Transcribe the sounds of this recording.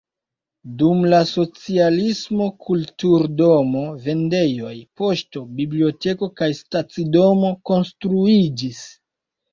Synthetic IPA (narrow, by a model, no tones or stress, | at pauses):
dumlaso̞t͡sialismo̞kʰultuɾdo̞mo̞ve̞nde̞jo̞jpo̞ʃto̞biblio̞te̞ko̞kajstat͡sido̞mo̞ko̞nstɾuid͡ʒis